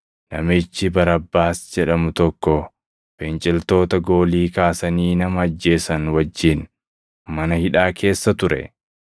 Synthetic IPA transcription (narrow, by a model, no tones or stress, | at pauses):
nɐmɪt͡ʃːɪbɐɾɐbːaːsd͡ʒɛᶑɐmʊt̪ɔkːɔ | b̥ɛnt͡ʃʼɪlt̪o̞ːt̪ɐɡo̞ːliːkaːsɐniːnɐmɐːd͡ʒːe̞ːsɐnwɐd͡ʒːɪn | mɐnɐhɪᶑaːkʰe̞ːsːɐt̪ʊɾɛ̰